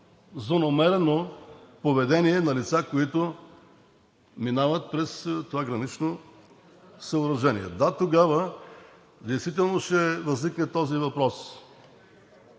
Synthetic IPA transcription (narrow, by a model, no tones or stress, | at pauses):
zonɐmɛɾɛnopovɛd̪ɛniɛnɐlit̪sakoit̪ʊ | minavət̪̚pɾɛst̪ovaɡɾɐnit͡ʃno | səoɾɐʒɛniɛ̰d̪at̪oɡavə | d̪ɛjst̪vit̪̬ɛlˠnoʃɛvɐzniknɛt̪ɔzivɐpɾɔs